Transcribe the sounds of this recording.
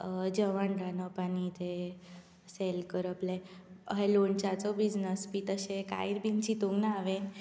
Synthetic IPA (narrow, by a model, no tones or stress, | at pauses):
d͡ʑəʋaɳɖanɔpañit̪e | selkəɾəpleɦelont͡ɕat͡sɔbid͡ʑnəspiːt̪əɕẽka̰iɾbʱint͡ɕit̪uŋɡnaːʋen